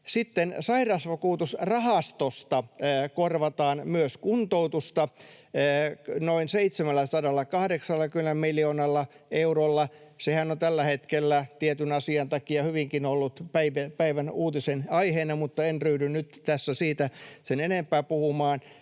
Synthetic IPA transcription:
sit̪ːensɑirɑsʋɑkuːt̪usrɑhɑst̪ost̪ɑːkorʋɑt̪ɑːnmyøskunt̪out̪ust̪ɑː | noinseit̪semælːæsɑdɑlːɑkɑhdeksɑlːɑkymæmmilioːnɑlːɑ | eurolːɑsehænont̪ælːæhet̪kelːæt̪iet̪ynɑsiɑnt̪ɑkiɑhyʋiŋkinolːut̪pæiʋæpæiʋænuːt̪isenɑiheːnɑmut̪ːɑenryːdynnyt̪t̪æsːæsiːt̪æsenenempæːpuhumɑːn

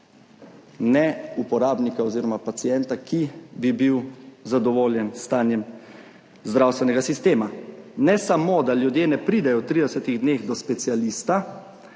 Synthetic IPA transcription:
nɛupɔɾaːbnikaoziːɾɔmapat̪siɛnt̪akʰibibiwzad̪ɔʋoːljɛnst̪aːnjɛm | zd̪ɾaːwst̪ʋɛnɛɡasist̪eːmanɛsamoːd̪aljud̪jeːnɛpɾiːd̪ɛjɔt̪ɾiːd̪ɛsɛt̪iɣd̪neːɣd̪ɔspɛt̪sialiːst̪a

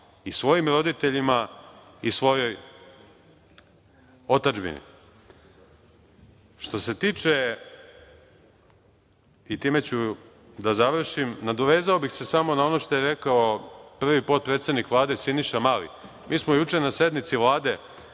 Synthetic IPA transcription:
isʋo̞jimɾo̞d̪it̪e̞ʎima | isʋo̞jo̞j | o̞t̪ad͡ʒbḭnḭ | ʃt̪o̞se̞t̪iːt͡ʃe̞ | it̪iːme̞t͡ɕu | d̪azaʋr̩ʃimnad̪oʋe̞ːzaobixse̞samo̞nao̞no̞ʃt̪ojeɾe̞kaopr̩ʋipot̪̚pɾe̞t̪sed̪nikʋlˠaːd̪e̞siniʃamalḭ | miːsmojut͡ʃe̞nase̞d̪nit̪siʋlˠaːd̪e̞

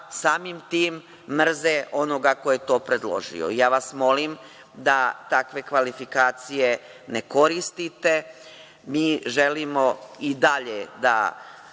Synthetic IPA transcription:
saːmimt̪iːmː | r̩zeʔo̞no̞ɡako̞je̞t̪o̞ːpɾe̞d̪lˠo̞̰ʒḭjo̰ijaːʋasmo̞lim | d̪at̪akʋe̞kʋalifikaːt̪sije̞ | neko̞ɾist̪it̪e̞ | miːʒelimo̞id̪aʎed̪a̰

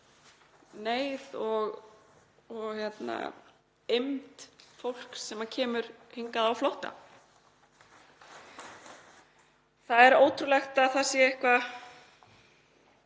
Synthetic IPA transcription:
neːjðɔɣ | ɔɣjɛt̪na̰ | emt̪fowl̥ksɛmacʰɛːmʏɾ̥hiŋkaðawflowht̪a̰ | θaðɛɾoːwt̪ʰɾulɛxt̪aðθaðsjɛɪhkva

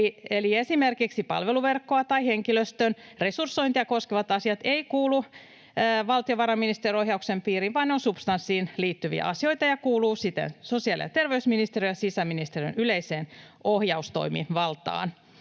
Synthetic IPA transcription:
ieliesimerkiksipɑ̰lʋeluʋerkːoɑt̪ɑiheŋkiløst̪ønre̞sursːoint̪ijɑkoskeʋɑt̪ɑsiɑt̪eikuːlu | ʋɑlt̪ioʋɑɾɑminist̪erioɦjɑuksempiːɾiʋʋɑːneonsupst̪ɑnsːiːnliːt̪ːyʋḭæ̰ʔɑ̰sio̞it̪ɑjɑkuːluːsit̪ḛnsosiɑlḭɑ̰t̪erʋeysminist̪eriojɑsisæminist̪eriø̰nyleiseːn | ohjɑust̪o̰imḭʋɑlt̪ɑ̰ːn

